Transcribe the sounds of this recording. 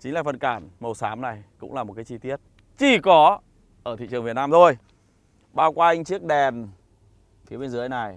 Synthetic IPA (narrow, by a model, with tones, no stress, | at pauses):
t͡ɕï˨˦ŋ̟laː˨˩fə˨˩nkaː˧˩nmə˨˩wsaː˨˦mna˨˩jkʊ̰˧˥ŋ͡mlaː˨˩mo˨˩t̚kaː˨˦t͡ɕi˧t̪i˦˥ət̚ | t͡ɕi˧˩kɔ˨˦ | ʔəː˧˩t̪ʰḭ˧˨t͡ɕɨ˨˩əŋvt̚naː˧mt̪ʰo˧j | ɓaː˧wkwa˧ʔa˧ŋ̟t͡ɕɨ˦˥ək̚ɗɛ˨˩n | fi˨˦əɓe˧nzna˨˩j